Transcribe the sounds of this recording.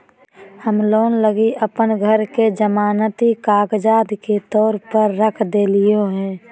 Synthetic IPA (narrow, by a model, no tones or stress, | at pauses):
həmloːnləɡiʔəpənɡʱəɾked͡ʒəmaːnət̪ikaːɡd͡ʒaːd̪ʱket̪ɔːɾpəɾːəkʰd̪eːlɪjoɦɛ̃ː